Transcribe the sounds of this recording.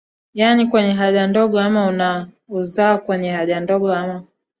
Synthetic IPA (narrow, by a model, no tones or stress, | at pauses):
janikwɛɲɛɦaʄandɔɠɔamauna | uzaakwɛɲɛhaʄandɔɠɔama